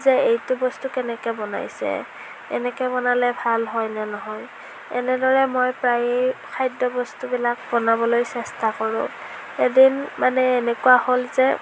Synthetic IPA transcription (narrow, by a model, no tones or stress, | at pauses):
zɛejtʊbɔstukɛnɛkɛbɔna̰jsɛ̰ | ɛ̰nɛkɛbɔnalɛbʱalɦɔjnɛnɔɦɔj | ɛ̰nɛdɔɹɛmojpɹajejkʰajdɔbɔstubilak̚bɔnabɔlojsɛstakɔɹʊ̰ | edinmanɛːnɛkuwaholzɛ